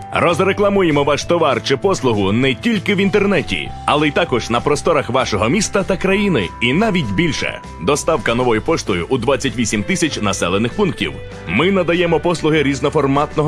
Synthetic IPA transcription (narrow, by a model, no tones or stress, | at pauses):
rɔzreklˠɐmujemɔʋɑʃt̪ɔʋɑrt͡ʃɪpɔslˠʊɦʊnɛtʲilʲkɪwint̪ernɛtʲḭ | ɐ̰lˠɛit̪ɑkɔʒnɐpɾɔst̪ɔɾɐxʋɑʃɔɦɔmʲist̪ɐt̪ɐkɾɐjinɪinɑʋʲitʲbʲilʲʃɛ̰ | d̪ɔst̪ɑwkɐnɔʋɔjʊpɔʂt̪ɔjʊʔud̪ʋat͡sʲːɐtʲʋʲisʲimt̪ɪsʲɐt͡ʃʲnɐsɛlˠenɪxpunk̚tʲḭw | mɪnɐd̪ɐjɛmɔpɔslˠʊɦɪɾʲiznɔfɔrmɑt̪nɔɦ